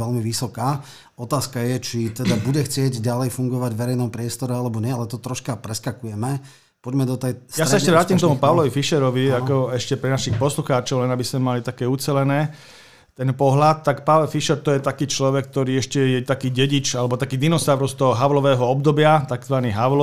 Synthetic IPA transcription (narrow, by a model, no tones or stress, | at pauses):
ɛlmiʋisɔkaː | ɔt̪aːskajɛt͡ʃit̪ɛd̪abuɟɛxt͡sɪɛɟɟalɛjfuŋɡɔʋaɟvʋɛɾɛjnɔmpɾɪɛst̪ɔɾɛalɛbɔɲɪɛalɛt̪ɔt̪ɾɔʃkapɾɛskakujɛmɛ | pɔɟmɛd̪ɔt̪ɛjsjasaɛʃcɛʋɾaːcimkt̪ɔmupaʋʊlɔʋifiʃɛɾɔʋiakɔɛʃcɛpɾɛnaʃixpɔsluxaːt͡ʃɔʊlɛnabismɛmalit̪akɛːut͡sɛlɛnɛː | t̪ɛnpɔɦlat̪ːakpaʋlɛlfiʃɛɾt̪ɔjɛt̪akiːt͡ʃlɔʋɛk̚t̪ɔɾiːɛʃcɛjɛt̪akiːɟɛɟit͡ʃalɛbɔt̪akiːd̪inɔsaːʊɾɔst̪ɔɦɔɦaʊlɔʋɛːɦɔɔbd̪ɔbɪat̪aɡzʋaniːɦal